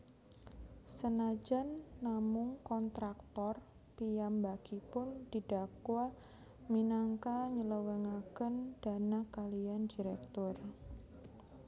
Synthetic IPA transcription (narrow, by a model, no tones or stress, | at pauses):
sənad͡ʒanːamʊŋkɔnt̪ɾak̚t̪ɔr | pijambaɡ̥ipʊnd̥id̥akwa | minaŋkaɲələwɛŋaɡ̥ənd̥a̤nakaliandiɾɛk̚t̪ɔr